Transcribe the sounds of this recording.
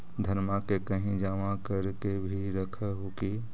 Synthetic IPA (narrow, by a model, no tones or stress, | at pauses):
d̪ʱəɾmakekəɦĩd͡ʒaːmakəɾkebʱiɾəkʰəɦoki